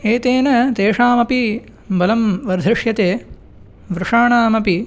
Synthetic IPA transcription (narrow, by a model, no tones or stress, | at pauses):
eːt̪eːnɐt̪eːʂaːmɐpi | bɐlɐmʋɐɾd̪ʱɾɪʂjɐt̪eː | ʋɾɪʂaːɳaːmɐpi